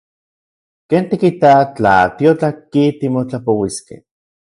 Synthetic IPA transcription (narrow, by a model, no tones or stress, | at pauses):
keːnt̪ikit̪at͡ɬa̰t̪iot͡ɬakit̪imot͡ɬapowiskḛ